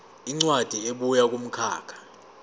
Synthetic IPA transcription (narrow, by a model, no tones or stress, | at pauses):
iŋ͡ǀwad̥ʱieɓujak̬ʼum̩kʰa̰ːkʰḁ